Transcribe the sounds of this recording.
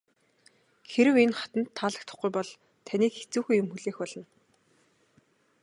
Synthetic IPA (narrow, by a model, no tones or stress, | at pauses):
xeɾɘ̆wenχḁt̪ə̆nt̪ʰːaːɮə̆k̚t̪ʰə̆χɡujpɔɮ | t̪ʰaniːkxet͡suːxuːjʊmxɵɮeːxpɔɮɞ̆n